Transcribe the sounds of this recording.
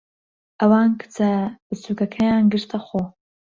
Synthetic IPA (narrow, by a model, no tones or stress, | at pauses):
ʔɐwaːnkʰɨ̥t͡sʰɐbɨt͡suːkɐkʰɐjaːnɡɨɾt̪ʰɐxoː